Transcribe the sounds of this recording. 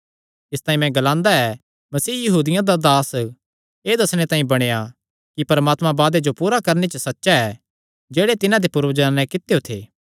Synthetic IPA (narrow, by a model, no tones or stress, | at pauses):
ɪst̪aːĩmɛ̃ɡɐlãːnd̪aɛ | mɐsiːjɐɦuːd̪ɪjãd̪ad̪aːs | eːd̪ɐsɽ̃et̪ãːĩbɐɽ̃eja | kipɐɾmaːt̪mãbaːd̪ed͡ʒopuːɾakɐɾnet͡ʃəsɐtːʃaɛ | d͡ʒeːɽet̪ɪnãd̪epʊɾʋd͡ʒanɛ̃kɪt̪ejot̪ʰḛː